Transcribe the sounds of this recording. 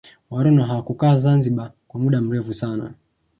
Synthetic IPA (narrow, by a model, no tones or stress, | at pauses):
waɾɔnaɦawakukaːzanziɓakwamuɗam̩ɾɛfusana̰